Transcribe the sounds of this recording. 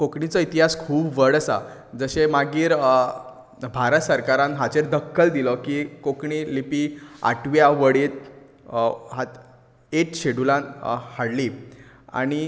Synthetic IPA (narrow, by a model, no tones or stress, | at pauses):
kokɳit͡sɔit̪iɦaskʰuːbʋəɽəsad͡zəɕemaɡiːɾ | bʱaɾət̪səɾkaɾãnɦat͡ɕeɾd̪əkʰːəld̪ilɔkikokɳilipia̰ʈʰʋjaʋəɽiːt̪̚ | ɦat̪ | eʈɕeɽulãnhaɽli | a̰ɽ̃i